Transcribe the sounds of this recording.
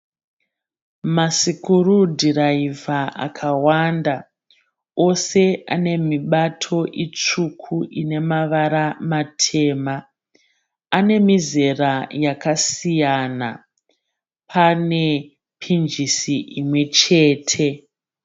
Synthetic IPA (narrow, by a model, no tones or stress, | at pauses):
masikuɾudʱiraivaʔa̰kʰawanda | o̞se̞a̰ne̞miɓatʰo̞ʔit͡ʂukʰuʔine̞maʋaɾamatʰe̞ːma | ane̞mize̞rajakasijana | pʰane̞ | pʰind͡ʒisiʔimwe̞t͡ʃe̞ːtʰe̞